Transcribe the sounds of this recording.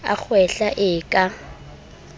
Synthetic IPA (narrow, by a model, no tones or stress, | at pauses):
a̰k͡xʰwɛɬaʔɪkʼa